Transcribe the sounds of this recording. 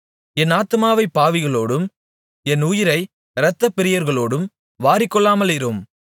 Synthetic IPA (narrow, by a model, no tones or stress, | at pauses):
ɛnaːt̪ɯmaːʋɐɪpːaːʋɪɣɐɭoːɽɯm | ɛnʊjɪɾɐɪ | ɾɐt̪ːɐpːɪɾɪjɐɾɣɐɭoːɽɯm | ʋaːɾɪkːɔɭːaːmɐlɪɾɯm